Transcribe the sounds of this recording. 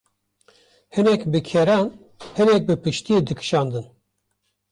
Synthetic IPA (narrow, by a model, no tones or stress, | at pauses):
hɨnɛkbɨkʰɛɾɑːn | hɨnɛk̚bɨpɨʃt̪ijed̪ɨkʰɨ̥ʃɑːnd̪ɨn